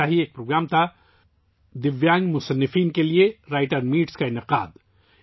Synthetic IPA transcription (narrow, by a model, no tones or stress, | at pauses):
aɦieːk̚pɾoːɡɾaːmt̪ʰa | d̪ɪʋjãːŋɡmʊsənːɪfiːnkelieɾaːɪʈəɾmiːʈskaɪnɪqa̰ːd̪